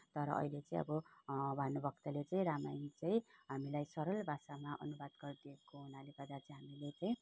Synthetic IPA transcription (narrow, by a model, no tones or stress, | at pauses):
t̪ʌɾʌ̰ʔʌ̰ilet͡saĩʌ̰bʌbʱanobʱʌkt̪alet͡saĩɾamajit͡saĩɦamilajsʌɾʌlbʱasamaʔʌ̰nubad̪ɡʌrd̪iekoɦunalekʌd̪at͡sĩɦamilet͡saĩ